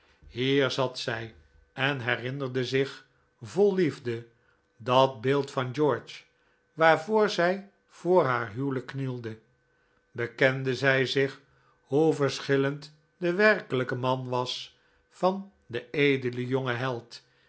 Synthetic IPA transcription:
hiːɹzɑtsɛj | ɛnɦɛrɪnərdəzɪχ | volˠːivdə | dɑt̚bɪːlˠtfɑnd͡ʒɔɹt͡ʃ | ʋaːɹvʊːɹzɛj | v̥oːɹɦaːɹɦywləkːnilˠdə | bəkɛndəzɛjzɪχ | huvəɹsχɪlənt | dəʋɛrkələkəmɑnʋɑs | fɑn | dəejdələjoŋəɦɛlˠt

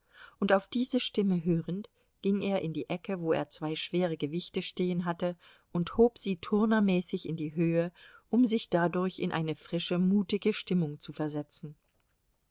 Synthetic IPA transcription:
ʔʊntaʊfd̥iːzəʃtɪməɦøːʁənt | ɡ̥ɪŋeːɐʔɪndiːʔɛkəvoːḛːɐt͡sv̥aɪʃv̥eːʁ̞əɡəvɪçtəʃteːənɦatə | ʔʊnthoːpz̥iːtʰʊɐnɐmɛːsɪçɪndiːɦøːəʔʊmzɪçd̥adʊɐçɪ̰nʔa̰ɪnəfʁ̥ɪʃəmuːtɪɡəʃtɪmʊŋt͡sufɛɐzɛt͡sn̩

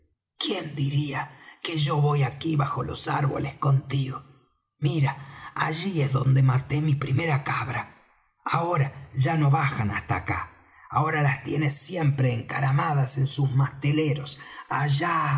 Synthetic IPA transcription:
kjend̪iɾiakeʒo̞βo̞jakiβaxo̞lo̞̰saɾβo̰lesko̞nt̪iɣo | miɾaaʒiezðo̞nd̪emat̪e̞mipɾime̞ɾakaβɾa | aoɾaʒano̞βaxana̰st̪a̰ka̰ | ao̞ɾalast̪je̞nesːje̞mpɾe̞ːŋkaɾamað̞ase̞nsuzmast̪ele̞ɾo̞saʒa

